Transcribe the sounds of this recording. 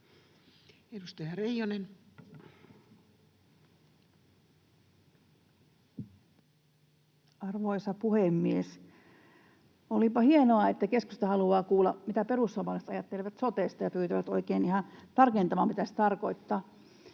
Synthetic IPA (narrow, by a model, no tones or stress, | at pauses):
edust̪ɑjɑreijonen | ɑrʋoisɑpuhemːies | olipɑhienoɑet̪ːækeskust̪ɑhɑluɑːkuːlːɑmit̪æperusːɑʋɑlest̪ɑjɑt̪ːeleʋæt̪sot̪eːst̪ɑjɑpyːt̪yʋæt̪oikeinihɑnt̪ɑrkent̪ɑmɑmit̪æst̪ɑrkoit̪ːɑː